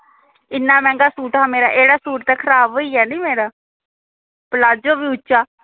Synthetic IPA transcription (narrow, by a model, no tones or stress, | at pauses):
ɪnːaːmɛ̃ːŋɡaːsuːʈaːmeːɾa̰ːʔeːɽaːsuːʈt̪ɛːkʰəɾaːbɦoːiːɛːnĩːmeːɾaː | pəlaːd͡ʒoːbiːʊt͡ʃːʃaː